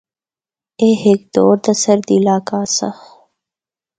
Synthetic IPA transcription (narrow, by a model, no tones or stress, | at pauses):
eːhek̚d̪oːɾd̪ɐsɐɾd̪ilaːkaːsɐ̰x